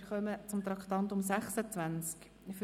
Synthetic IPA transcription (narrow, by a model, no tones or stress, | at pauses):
χœmət͡sʊmt̪ɾɑkt̪ɑnt̪ʊmsæχsət͡sʋænt͡sk | ɪf